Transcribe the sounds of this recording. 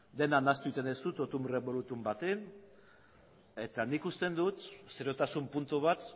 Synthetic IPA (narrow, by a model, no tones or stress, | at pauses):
d̪e̞nanast̪uit̪enesut̪ot̪umreβo̞lut̪umbat̪en | e̞t̪anikust̪e̞nd̪ut̪seɾo̞t̪asumpunt̪uβat̪